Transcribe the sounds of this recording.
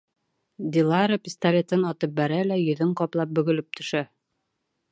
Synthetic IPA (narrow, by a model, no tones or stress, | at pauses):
d̪ʲilˠɑɾopʲɪst̪ɐlʲet̪ɤnɒt̪ɤp̚bæɾælæjɵ̆ðɵŋqɒplˠɑp̚bɵ̆ɡɵ̆lɘp̚t̪ʰɵ̆ʃæ